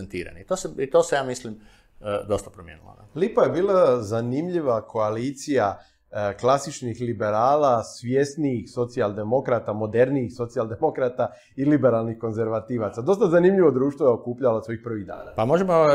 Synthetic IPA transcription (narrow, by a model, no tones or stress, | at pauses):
ent̪iːɾa̰nit̪oːseit̪oːsejaːmislim | d̪o̞st̪apɾomjḛnṵlo̰na̰lipaje̞biːlazanimʎiʋakʰo̞aliːt̪sija | klasit͡ʃnixlibe̞ɾaːlasʋjest̪niixso̞t̪sialˠd̪e̞mo̞kɾat̪amo̞d̪e̞ɾniixso̞t̪siald̪e̞mo̞kɾat̪a | ilibe̞ɾalnixko̞nze̞ɾʋat̪iːʋat̪sad̪o̞st̪azanimʎiʋo̞d̪ɾuːʃt̪ʋojeo̞kuːpʎalaso̞ixpr̩ʋiɣd̪a̰ːna̰pamo̞ʒemo